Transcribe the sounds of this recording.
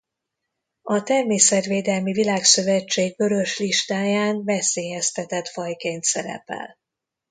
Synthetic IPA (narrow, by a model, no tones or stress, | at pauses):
ɒt̪ɛrmeːsɛt̪veːd̪ɛlmivilaːksø̞vɛt͡ʃːeːɡ̚bø̞ɾø̞ʃliʃt̪aːjaːnvɛseːjɛst̪ɛt̪ɛt̪fɒjkeːnt̪sɛɾɛ̰pɛ̰l